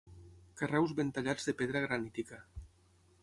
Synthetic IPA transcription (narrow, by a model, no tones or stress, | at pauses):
karɛwzβent̪aʎad͡zðepeðɾaɣ̞ɾanit̪ika